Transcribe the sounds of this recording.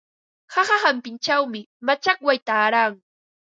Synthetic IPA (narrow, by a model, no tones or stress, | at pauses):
haχahampɪnt͡ʃawmɪ | mat͡ʃakwajt̪aːɾaːŋ